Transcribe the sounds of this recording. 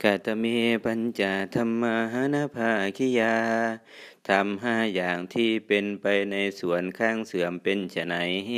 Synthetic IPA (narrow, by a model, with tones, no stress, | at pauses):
ka˧˩t̪a˧miː˧˥pa˧nt͡ɕaː˨˧˩t̪ʰa˧mːa˧ɦa˧˥˨naː˧˥˨pʰaː˧ʔa˨˩kʰi˧jaː˧ | t̪ʰa˧mɦaː˧˩jaː˨˩ŋt̪ʰiː˧˩pe˧npa˧jna˧jsu˨˩˦ənkʰaː˧˥˩ŋsɯ˨˦əmpe˧nt͡ɕa˧˩na˨˦j